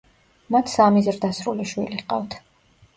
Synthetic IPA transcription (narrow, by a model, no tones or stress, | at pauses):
mat̪ʰsamizɾd̪asɾuliʃwiliqʼavt̪ʰ